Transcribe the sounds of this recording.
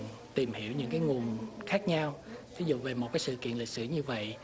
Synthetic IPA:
t̪i˨˩mhi˧˩əwɲɨ̰˧˥ŋkaː˨˦jŋu˨˩ənxaː˦˥k̚ɲa˧wt̪ʰi˨˦zṵ˧˨ve˨˩mo˨˩t̚kaː˨˦sɨ̰˧˨kḭ˧˨ənli˨˩t̚sɨ̰˧˩ɲɨ˧və̰˧˨j

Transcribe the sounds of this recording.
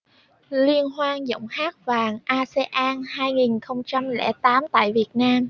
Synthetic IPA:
li˧ənɦwaː˧ŋzə̰˧˨wŋ͡mhaː˦˥k̚vaː˨˩ŋʔaː˧se˧ʔaː˧nhaː˧jŋi˨˩nxə˧wŋ͡mt͡ɕa˧mlɛ̰˧˩t̪aː˨˦mt̪a̰ː˧˨jvi˨˩ət̚naː˧m

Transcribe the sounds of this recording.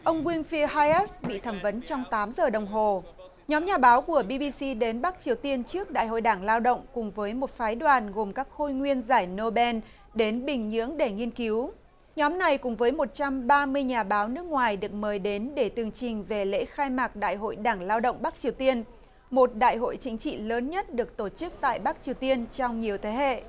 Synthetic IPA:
ʔə˧wŋ͡mkwi˧ənfi˧haː˧jʔɛ˦˥sɓḭ˧˨t̪ʰəː˧˩mvə˨˦nt͡ɕɔ˧wŋ͡mt̪aː˨˦mzəː˨˩ɗə˨˩wŋ͡mɦo˨˩ | ɲɔ˨˦mɲaː˨˩ɓaː˨˦wku˧˩əɓi˧ɓi˧si˧ɗe˨˦nɓa˦˥k̚t͡ɕi˨˩əwt̪i˧ənt͡ɕɨ˦˥ək̚ɗa̰ː˧˨jɦo̰˧˨jɗaː˧˩ŋlaː˧wɗə̰˧˨wŋ͡mkʊ˨˩ŋ͡mvəː˨˦jmo˨˩t̚faː˨˦jɗwaː˨˩nɣo˨˩mkaː˦˥k̚xo˧jŋwi˧ənzaː˧˩jno˧ɓɛ˧n | ɗe˨˦nɓï˨˩ŋ̟ɲɨ̰˧˥əŋɗe˧˩ŋi˧ənki˨˦w | ɲɔ˨˦mna˨˩jkʊ˨˩ŋ͡mvəː˨˦jmo˨˩t̚t͡ɕa˧mɓaː˧mɨ˧əjɲaː˨˩ɓaː˨˦wnɨ˦˥ək̚ŋwaː˨˩jɗɨ˨˩ək̚məː˨˦jɗe˨˦nɗe˧˩t̪ɨ˨˩əŋt͡ɕï˨˩ŋ̟ve˨˩lḛ˧˥xaː˧jmaː˨˩k̚ɗa̰ː˧˨jɦo̰˧˨jɗaː˧˩ŋlaː˧wɗə̰˧˨ŋ͡mɓa˦˥k̚t͡ɕi˨˩əwt̪i˧ən | mo˨˩t̚ɗa̰ː˧˨jɦo̰˧˨jt͡ɕï˨˦ŋ̟t͡ɕḭ˧˨ləː˨˦nɲə˦˥t̚ɗɨ˨˩ək̚t̪o˧˩t͡ɕɨ˦˥k̚t̪a̰ː˧˨jɓa˦˥k̚t͡ɕi˨˩əwt̪i˧ənt͡ɕɔ˧wŋ͡mɲi˨˩əwt̪ʰe˨˦hḛ˧˨

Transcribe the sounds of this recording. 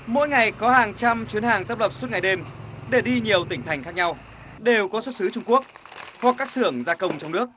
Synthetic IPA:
mo̰˧˥jŋa˨˩jkɔ˨˦haː˨˩ŋt͡ɕa˧mt͡ɕwi˨˦ənhaː˨˩ŋt̪ə˦˥p̚lə˨˩p̚swt̚ŋa˨˩jɗe˧mɗe˧˩ɗi˧ɲi˨˩əwt̪ï˧˩t̪ʰa˨˩jŋ̟xaː˦˥k̚ɲa˧w | ɗe˨˩wkɔ˨˦swə˦˥t̚sɨ˨˦t͡ɕʊ˧ŋ͡mku˦˥ək̚ | hwa˨˩kːaː˦˥k̚sɨ˧˩əŋzaː˧kə˧wŋ͡mt͡ɕɔ˧wŋ͡mnɨ˦˥ək̚

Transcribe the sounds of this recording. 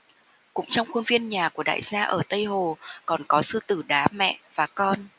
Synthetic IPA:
kʊ̰˧˥ŋ͡mt͡ɕɔ˧wŋ͡mxu˧nvi˧ənɲaː˨˩ku˧˩əɗa̰ː˧˨jsaː˧ʔəː˧˩t̪ə˧jɦo˨˩kɔ˨˩nkɔ˨˦sɨ˧t̪ɨ˧˩ɗaː˨˦mɛ̰˧˨vaː˨˩kɔ˧n

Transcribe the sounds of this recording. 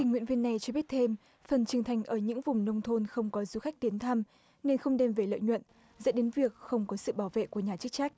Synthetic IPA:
t̪ï˨˧˩ŋ̟ŋw̰ḭ˧˨nvi˧ənːa˨˩jt͡ɕɔ˧ɓi˦˥ət̚t̪ʰe˧m | fə˨˩nt͡ɕɨ˨˩əŋt̪ʰa˨˩jŋ̟ʔəː˧˩ɲɨ̰˧˥ŋvʊ˨˩ŋ͡mnə˧wŋ͡mt̪ʰo˧nxə˧wŋ͡mkɔ˨˦zu˧xa˦˥jk̚t̪i˨˦ənt̪ʰa˧m | ne˧nxə˧wŋ͡mɗe˧mve˨˩lə̰ː˧˨jɲwə̰˧˨n | zə̰˧˥nɗe˨˦nvi˨˩ək̚xə˧wŋ͡mkɔ˨˦sɨ̰˧˨ɓaː˧˩wvḛ˧˨ku˧˩əɲaː˨˩t͡ɕɨ˦˥k̚t͡ɕa˦˥k̟̚

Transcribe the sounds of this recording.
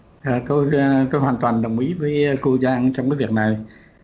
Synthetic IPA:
aː˨˩t̪o˧jt̪o˧jɦwaː˨˩nt̪waː˨˩nɗə˨˩wŋ͡mʔi˨˦vəː˨˦jku˧zaː˧ŋt͡ɕɔ˧ŋ͡mkaː˨˦jvi˨˩ək̚na˨˩j

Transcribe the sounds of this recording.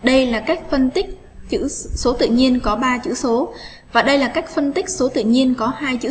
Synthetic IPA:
ɗə˧jlaː˨˩kaː˦˥k̚fə˧nt̪ï˦˥k̟̚ | t͡ɕɨ̰˧˥so˨˦t̪ɨ̰˧˨ɲi˧ənkɔ˨˦ɓaː˧t͡ɕɨ̰˧˥so˨˦ | vaː˨˩ɗə˧jlaː˨˩kaː˦˥k̚fə˧nt̪ï˦˥k̟̚so˨˦t̪ɨ̰˧˨ɲi˧ənkɔ˨˦haː˧jt͡ɕɨ̰˧˥

